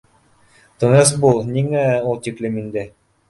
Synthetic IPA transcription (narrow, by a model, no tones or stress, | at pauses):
t̪ɤ̆ŋɤs̬bulˠniŋæulˠt̪iklʲɘmind̪ɘ